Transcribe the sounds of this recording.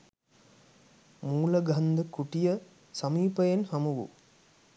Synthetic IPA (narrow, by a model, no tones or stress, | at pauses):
muːlɐɡʱɐnd̪ɐkuʈijɐ | sɐmiːpɐjenhɐmuʋṵ